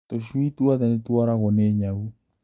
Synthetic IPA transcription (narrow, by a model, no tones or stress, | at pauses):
toʃwitwaðɛnetwaɾaɣɔnɛɲaɣu